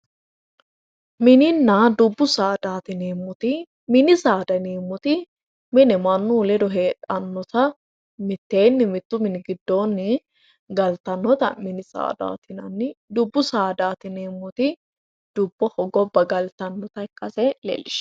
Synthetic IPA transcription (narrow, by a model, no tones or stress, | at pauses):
mɪnɪnːɐd̪ʊbːʊsaːd̪aːt̪ɪneːmːʊt̪ɪ | mɪnɪsaːd̪ɐneːmːʊt̪ɪ | mɪnɪmɐnːuːlɛd̪ɔɦe̞ːᶑɐnːɔt̪ɐ | mɪt̪ːeːnːɪmɪt̪ːʊmɪnɪɡɪd̪ːo̞ːnːɪ | ɡɐlt̪ɐnːɔt̪ɐ̰mɪnɪsa̰ːd̪a̰ːt̪ɪnɐnːɪd̪ʊbːʊsaːd̪aːt̪ɪneːmːʊt̪ɪ | d̪̥ʊbːɔhɔɡɔbːɐɡɐlt̪ɐnːɔt̪ɐɪkːɐsɛlḛːlːɪʃ